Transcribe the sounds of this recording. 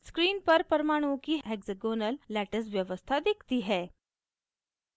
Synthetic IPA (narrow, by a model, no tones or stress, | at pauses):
skɾiːnpəɾpəɾmaɽ̃ukiːeɡzəɡonəlːæʈəsʋjəʋəst̪ʰad̪ekʰt̪iːɦɛ